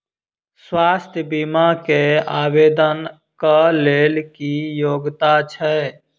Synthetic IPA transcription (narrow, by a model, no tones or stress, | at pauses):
swaːst̪ʰjəbimakeaːbeːd̪ən | kəleːlkijoːɡt̪at͡ʃʰɛ